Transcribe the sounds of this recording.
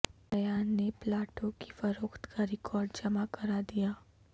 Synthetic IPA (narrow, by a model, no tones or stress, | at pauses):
ɐjaːnːeplaːʈõki̥fɐɾoːkt̪kaɾɪkʰɔːɾɖd͡ʒɐmakɐɾad̪ijaː